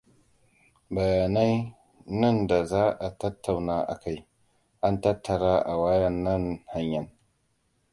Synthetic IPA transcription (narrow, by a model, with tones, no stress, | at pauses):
bɐ˨jaː˨na˦j | nɐ˦˨nda˨zaː˦ʔa˨tɐ˦tʰːa˨wnaː˦ʔa̰˨ka˦j | ʔa˦ntɐ˦tʰːɐ˨ɽaː˦ʔa˨waː˦jɐ˨nːɐ˦nha˦ɲjɐ˦n